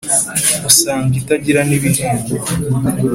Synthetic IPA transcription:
usaːŋɡitaɟiɾaniβiɾiːŋɡo

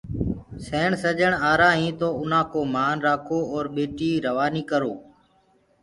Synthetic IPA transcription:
seːɳsəʄəɳaːɾãːɦĩːt̪oːʊnãːkoːmaːnɾaːkʰoːɔːɾɓeːʈiːɾəʋaːniːkəɾoː

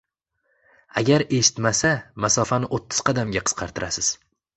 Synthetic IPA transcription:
aɡʲaɾe̞ʃɪ̥t̪masamasɒfanɪʔot̪ʰːɪz̥qʰɑd̪amɡʲaqʰɨ̥sqʰɑɾt̪ʰɪɾasɪz̥

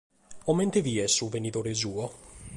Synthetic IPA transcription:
ɔmːent̪eviːesːuvenit̪oːɾes̬uːo

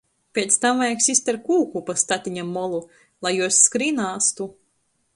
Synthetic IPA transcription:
pʲeːt̪st̪amvajaksisʲt̪ʲaɾkuːkupast̪at̪ʲiɲʲamːɔlˠu | lˠajjuɔsːkɾinaːst̪u

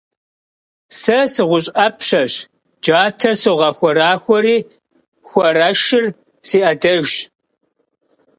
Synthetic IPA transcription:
sɐsɨʁʷʊɕʼɐpʰɕɐɕ | d͡ʒaːtʰɐsɨʁɐxʷɔɾaːxʷɔɾiː | xʷɔɾɐʃɪr | siːʔɐdɐʒ

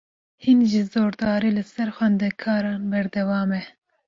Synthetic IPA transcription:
hinʒizoːɾd̪ɑːɾiːlɨsɛɾxʷwɛnd̪ɛkʰɑːɾɑːnbɛɾd̪ɛwɑːmɛ

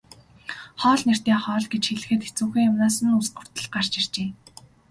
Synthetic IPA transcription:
χɔːɮner̥t̪iːχɔːɮɡet͡ɕxeɮɘ̆xɘ̆t̪et͡suːxiːŋjamnaːsə̆nusɢə̥̆r̥t̪ə̆ɮɢar̥t͡ɕir̥t͡ɕeː

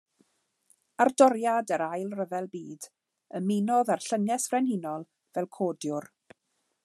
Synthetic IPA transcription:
ardɔɾjadəɾajlˠrəvɛlˠbiːd | əmɪnɔðarɬəŋɛsvrɛnhɪnɔlˠ | vɛlˠkʰoːdjʊr

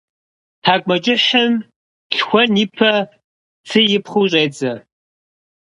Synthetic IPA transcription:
tʰaːkʷʼmɐd͡ʒʼɪħɐm | ɬxʷɔniːpʰɐ | t͡sʰɨjɪpχuːɕʼeːd͡zɐ

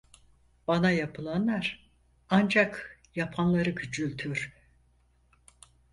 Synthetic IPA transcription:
b̥anajapʰɯlˠanlˠaɾ̥ | and͡ʒak | japʰanlˠaɾɯɟyd͡ʒylʲt̪ʰyɾ̥

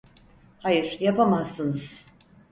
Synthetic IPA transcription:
hajɯɾjapʰamazːɯnɯz̥

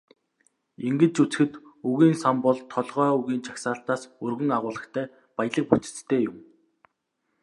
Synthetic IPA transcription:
iŋɡɘ̆t͡ɕut͡s̆xɘ̆t̪uɣiːnsampɔɮt̪ʰːɔɮʁœːɵɣiːnt͡ɕʰḁksaːɬt̪aːsɵrɣɘ̆ŋaʁʊːɮə̆kt̪ʰæː | pajə̆ɮə̆k̚put͡sɘ̥̆t͡s̪t̪ʰːeːjʊm

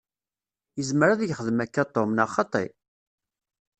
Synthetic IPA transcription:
jəzməɾaðjəχəðəmækːat̪ˤːomnɑχɑt̪ˤḭ

